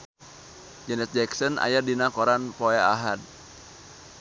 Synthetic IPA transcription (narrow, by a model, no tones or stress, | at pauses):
d͡ʒɛnɛt̪̚d͡ʒɛksɔna̰jadinakɔɾanpɔaa̰ɦad̚